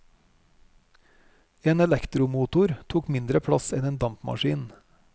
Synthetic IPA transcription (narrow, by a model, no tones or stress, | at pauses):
eːnɛlɛkt̪ɾʊmuːt̪ʊɾt̪ʰuːkmɪnd̪ɾəpʰɽɑsɛneːnd̪ɑmpmɑ̰ʃiːn